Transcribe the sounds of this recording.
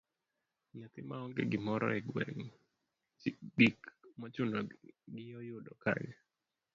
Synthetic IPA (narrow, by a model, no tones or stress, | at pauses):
ɲat̪ɪmaɔŋɡḛɡɪmɔɾɔ̰ɛɡwɛ̰ŋ | ɡikmat͡ʃʊnɔɡɪjɔjʊdɔka̰ɲa